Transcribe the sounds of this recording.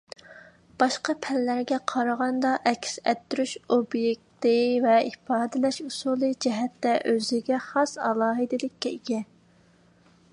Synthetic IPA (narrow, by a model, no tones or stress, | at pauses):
b̥ɑʃqɑpʰɛlːæɾɡʲɛqʰɑɾəʁɑnd̪ɑʔɛkʲsɛt̪ʰːyɾyʃobjek̚ʲt̪ɪvɛifɑːd̪ɪlɛʃusuːlˠɨd͡ʒɛɦɛt̪ːɛʔøzɪɡʲɛχɑsɑ̰lˠɑːɦɨd̪ɪlɪkʲːɛiɡʲɛ